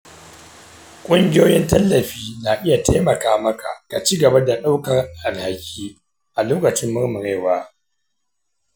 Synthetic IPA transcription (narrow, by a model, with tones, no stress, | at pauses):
kʷʼʊ˦ŋɡʲɪ˦joː˦jɪ˦ntɐ˦lːɐ˨ɸiː˦naː˨ʔɪ˦ja˨tʰeː˦mɐ˨kaː˦mɐ˦kʰa̰˨ka˨t͡ʃiː˦ɡɐ˨ba˦da˨ɗa˦wkɐ˨rʔa˨lha˨kʲʰiː˦ | ʔa˨loː˦kɐ˨t͡ʃɪ˦mːʊ˦rmʊ˨ɾeː˦˨waː˦